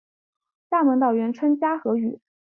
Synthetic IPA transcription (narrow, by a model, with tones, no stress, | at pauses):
t̪a˥˩mə˧˥ŋt̪̬ɑ˨˩ʊɥɛ˧˥nʈ͡ʂʰwə˥nt͡ɕja˥xɤ˧˥y̰˨˩˦